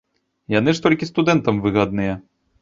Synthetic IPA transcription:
janɨʂt̪ɔlʲkʲist̪ud̪ɛnt̪ɐmvɨɣad̪̚nɨjɛ

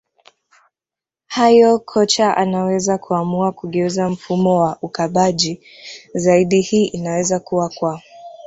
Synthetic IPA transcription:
hajɔkʰɔt͡ʃaʔa̰nawɛzakʰuamuakuɠɛuzam̩fumɔwaʔukaɓaʄi | zaiɗihiːʔinawɛzakuwakwaɔ

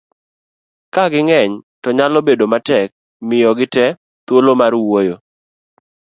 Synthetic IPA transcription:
kaɡɪŋɛɲtɔɲalɔbedomatɛk̚ | mɪjɔɡɪtɛ | t̪wolomarwojo

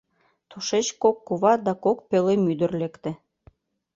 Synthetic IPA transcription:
t̪uʃet͡ɕkokːuβɑd̪ɑkok̚pelemyd̪ə̆rlekt̪ĕ

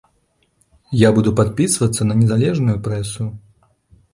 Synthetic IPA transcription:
jabud̪upat̪̚pʲisvɐt̪sːɐnɐnʲɛzalʲɛʐnujupɾɛsu

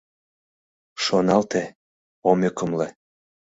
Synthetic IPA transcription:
ʃonɑlt̪e | omʲekəmle

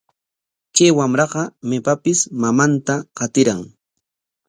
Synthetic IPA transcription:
t͡ʃajwamɾɑqɑmepapɪsmamant̪aqɑt̪ɪɾaŋ

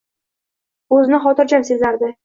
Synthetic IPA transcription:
ɵzɪnɪχɒt̪ɪɾd͡ʒamse̞zlaɾd̪ɪ

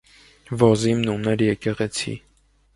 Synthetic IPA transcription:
vɔzimnumnɛɾjɛkɛʁɛt͡sʰḭ

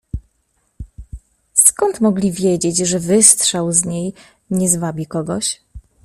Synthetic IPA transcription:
skɔnt̪mɔɡlʲivʲjed͡ʑed͡ʑʐɛvɘst̪ʂɛwzɲej | ɲɛzvabʲikɔɡɔɕ

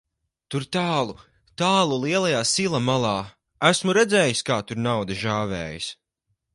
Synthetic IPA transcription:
t̪uɾt̪aːlˠu | t̪aːlˠuliɛlˠajaːsilˠamalˠɑː | æsmuɾɛd̪zɛːjiskaːt̪uɾnawd̪ʒaːvɛ̰ːjis

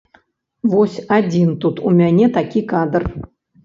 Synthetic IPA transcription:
vɔsʲad͡zʲint̪ut̪umʲanʲɛt̪akʲikad̪r

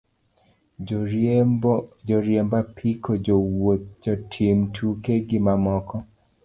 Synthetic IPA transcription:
d͡ʒɔɾjɛmbapʰikʰowod͡ʒɔtʰiɪmtʰukeɡɪmamɔkɔ

